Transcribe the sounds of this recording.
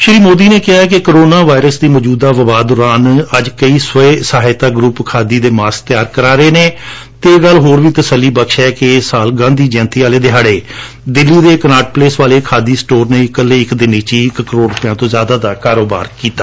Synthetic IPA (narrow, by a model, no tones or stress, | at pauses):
ʃəɾiːmoːd̪iːneːkɪɦaːɛkɪkəɾoːnaːʋaːɪɾəsd̪iːmɔːd͡ʒuːd̪aːʋəʋaːd̪ʊːɾaːnəd͡ʒkəiːsəeːsəɦaːɪt̪aːɡɾupkʰaːd̪iːd̪eːmaːsk̚t̪ɪjaːɾkəɾaːɾəeːneː | t̪eːɡəlɦoːɾʋiːt̪əsəlːiːbəkʃɛːkesaːlɡãːnd̪iːd͡ʒɛ̃ːnt̪iːaːleːd̪ɪɦaːɽeː | d̪ɪlːiːd̪eːkənaːʈ̚pleːsʋaːleːkʰaːd̪iːsʈoːɾneːɪkəleːɪkd̪ɪniːt͡ʃiːkkəɾoːɾʊpjãːt̪õːzjaːd̪aːd̪aːkaːɾoːba̰ːɾkiːt̪aː